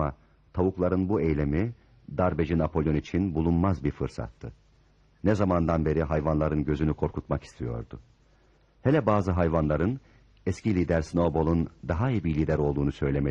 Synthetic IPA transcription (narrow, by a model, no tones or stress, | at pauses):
a | t̪ʰavuklˠaɾɯnbuejlʲe̞mi | d̪aɾbed͡ʒinapʰo̞lʲˠjo̞nit͡ʃʰinbulˠunmazbiɾfɯɾsa̰t̪ʰːɯ | nɛzamand̪anbe̞ɾiɦajvanlˠaɾɯnɟø̞zynykʰo̞ɾkʰut̪maki̥st̪ʰijo̞̰ɾd̪ʊ | helʲɛbaːzɯɦajvanlˠaɾɯn | ɛscʰilʲiːd̪æɾsno̞bo̞lˠund̪aɦaibilʲiːd̪æɾo̞lˠd̪uːnusø̞jlʲeme